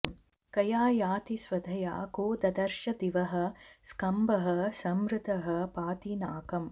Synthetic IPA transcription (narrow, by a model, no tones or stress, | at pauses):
kɐjaːjaːt̪isʋɐd̪ʱɐja̰ːkoːd̪ɐd̪ɐɾʃɐd̪iʋɐɦɐ̆skɐmbɐɦɐ̆sɐmɾɪt̪ɐɦɐ̆paːt̪inaːkɐm